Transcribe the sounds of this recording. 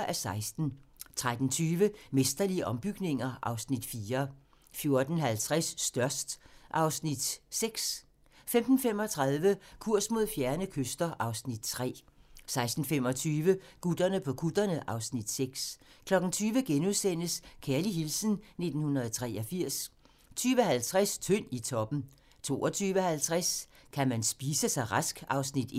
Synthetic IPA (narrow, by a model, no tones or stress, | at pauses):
ʔæsɑ̈ɪsd̥n̩t͡sʰʁad̥n̩t͡sʰyːʋəmesd̥ɐliəʔɒ̽mb̥yɡ̥ne̝ŋɐʔɑ̈ʊsnid̥fiːɐ | fjo̝ɐd̥n̩ɦælt͡sʰʁɛsːd̥ɶɐsd̥ʔɑ̈ʊsnid̥seɡ̥s | femd̥n̩fem̰ɒ̽t͡sʰʁɑ̈ð̞ˠʋəkʰuɐ̰smo̝ð̞̰ˠfjæɐnəkʰøsd̥ɐʔɑ̈ʊsnid̥t͡sʰʁɛ̰ːsɑ̈ɪsd̥n̩fem̰ɒ̽t͡sʰyːʋəɡ̥ud̥ɐnəpʰɒ̽kʰud̥ɐnəʔɑ̈ʊsnid̥seɡ̥skʰlɒ̽ɡ̥n̩t͡sʰyːʋəɡ̥enuðˠsen̰əskʰæɐliɦilsənne̝d̥n̩hunʁɐðˠt͡sʰʁɛːʔɒ̽fiɐ̰s | t͡sʰyːʋəhælt͡sʰʁɛst͡sʰøn̰it͡sʰɒ̽b̥n̩ | t͡sʰo̝̰ːʔɒt͡sʰyːʋəhælt͡sʰʁaskʰæmænsb̥iːsəsɑ̈ɪʁɑsɡ̥ɑ̈ʊsnid̥